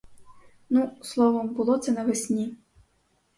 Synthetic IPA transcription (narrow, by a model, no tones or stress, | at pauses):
nuslˠɔʋɔmbʊlˠɔt̪sɛnɐʋesʲnʲi